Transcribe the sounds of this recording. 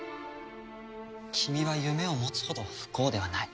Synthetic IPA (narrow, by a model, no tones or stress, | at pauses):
kʲʰimʲiβajɯ̟me̞o̞mo̞t͡sɨ̥ho̞t̪o̞ɸɯ̟̥ko̞ːd̪e̞βanai